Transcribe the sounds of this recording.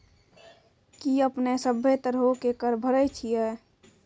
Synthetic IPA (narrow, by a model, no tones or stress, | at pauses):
kiəpnesəbʱːet̪əɾɦokekəɾbʱəɾət͡ʃʰijɛː